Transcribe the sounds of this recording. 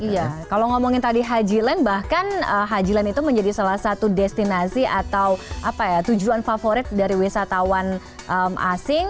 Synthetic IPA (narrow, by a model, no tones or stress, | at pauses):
ijakalaŋɔmɔŋɪnt̪adiɦad͡ʒilanbahkanəɦad͡ʒilanit̪uməɲd͡ʒadisalahsat̪udɛst̪inasiʔat̪awʔapajat̪ud͡ʒuanfafoɾɪt̪̚daɾiwisat̪awan | ʔəmʔa̰sɪŋ